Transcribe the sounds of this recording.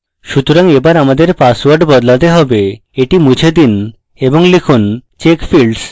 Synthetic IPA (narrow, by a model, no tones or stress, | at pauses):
ʃut̪oɾaŋebaɾamad̪eɾpaswaɾɖbɔd̪lat̪eɦɔbe | eʈimud͡ʑʱed̪in | eboŋlikʰunt͡ɕekfʰilɖs